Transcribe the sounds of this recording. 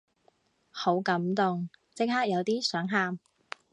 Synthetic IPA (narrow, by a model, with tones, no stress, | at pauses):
ho˨˥wkɐ˨˧˥mt̪ʊ˨ŋt͡sɪ˥k̚ɦaː˥k̚jɐ˨˧wt̪iː˥sœː˨˥ŋɦaː˧˥m